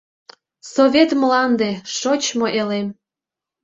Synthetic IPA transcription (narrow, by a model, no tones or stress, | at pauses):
sovʲet̪mlɑnd̪eʃot͡ɕmoʔelem